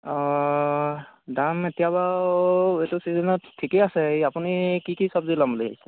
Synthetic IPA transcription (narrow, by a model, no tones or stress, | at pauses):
ɔ | dametijaba | etusizɛnɔttʰːikeasɛejapunikikisɔbzilamleɦa̰jsɛ̥